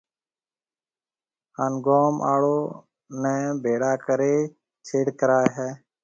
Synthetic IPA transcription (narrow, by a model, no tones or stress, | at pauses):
ɦaːnɡoːmʔa̰ːɽoː | nɛ̃ːbʱeːɽaːkəɾeː | t͡ʃʰeːɽkəɾaːɦɛː